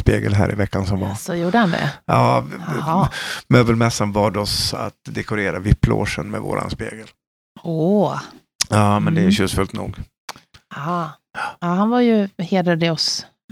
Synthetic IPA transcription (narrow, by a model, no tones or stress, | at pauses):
speːɡəlɦæ̰ːɾʔɪvɛkːansɔmvasɔjuːɖəhand̪ɛ̰jɑː | møːbəlmɛsːanvɑːɖɔsa̰t̪d̪ɛkʊɾeːɾavɪpːlo̰ːʂənmɛvo̰ːɾʔa̰nspeːɡəl | o | jɑːmɛnd̪ɛɕʉsfɵlt̪nṵːɡ | a | ahanvaɾjɵheːd̪əd̪ɛɔs